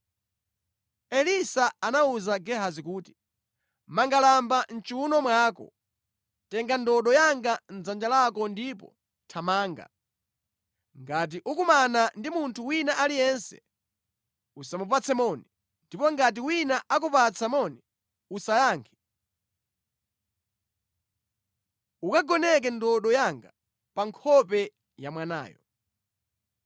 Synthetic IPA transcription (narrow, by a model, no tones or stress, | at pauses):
ɛlisaanauzaɡɛɦazikuːti̥ | maŋɡalamban̩t͡ʃuunɔmwaːkɔ̰ | tɛŋɡandɔɗɔjaŋɡan̩d͡zand͡ʒalakɔndipɔ̰ | tʰamaːŋɡa̰ | ŋɡat̬iʔukumanandimuntʰuwinaʔalijɛnsɛ̰ | usamupat͡sʰɛmɔni | ndipɔŋɡat̬iwinaʔak̬upat͡sʰamɔni | usajaːŋkʰɛ̥ | ukaɡɔnɛk̬ɛndɔɗɔjaŋɡa | paŋkʰɔpɛ | jamwana̰ːjɔ̰